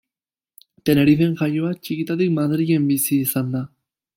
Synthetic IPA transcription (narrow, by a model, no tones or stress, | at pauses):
t̪eneɾiθeŋxajoat͡ʃikit̪aðikmaðɾiɣembisisand̪a